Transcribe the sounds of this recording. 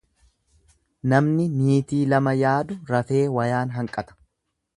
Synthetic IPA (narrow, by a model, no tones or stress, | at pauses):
nɐmnɪniːt̪iːlɐmɐjaːd̪ʊɾɐfe̞ːwɐjaːnɦɐŋkʼɐt̪ɐ̥